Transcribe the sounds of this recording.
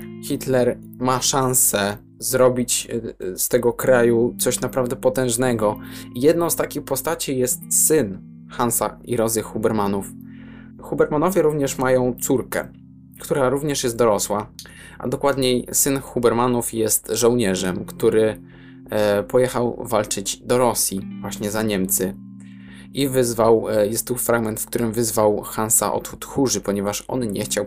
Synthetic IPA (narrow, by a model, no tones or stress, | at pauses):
xʲit̪lɛɾ | maʂansɛ | zɾɔbʲit͡ɕst̪ɛɡɔkɾajut̪sɔɕnapɾavd̪ɛpɔt̪ɛ̃w̃ʐnɛɡɔijɛd̪̚nɔ̃w̃st̪akʲixpɔst̪at͡ɕijɛst̪sɘn | xansa̰iɾɔzɘxubɛɾmanuf | xubɛɾmanɔvʲjɛɾuvɲɛʂmajɔ̃w̃t̪suɾkɛ̰ | kt̪uɾaɾuvɲɛʂjɛst̪d̪ɔɾɔswa | ʔa̰d̪ɔkwad̪ɲejsɘnxubɛɾmanufjɛst̪ʐɔ̃wɲɛʐɛmkt̪uɾɘ | pɔjɛxawvalt͡ʂɘd͡ʑd̪ɔɾɔsʲjivwaɕɲɛzaɲɛmt̪sɘ | ivɘzvawjɛst̪ːufɾaɡmɛnt̪fkt̪uɾɘmvɘzvawxansa̰ʔɔ̰t̪xut̪xuʐɘpɔɲɛvaʂʔɔ̰nɲɛ̰xt͡ɕaw